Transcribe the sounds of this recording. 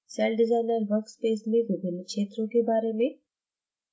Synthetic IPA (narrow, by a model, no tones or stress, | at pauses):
sɛlɖɪzaːɪnəɾʋəɾkspeːsmẽʋɪbʱɪnːkʃeːt̪ɾõkebaːɾemẽ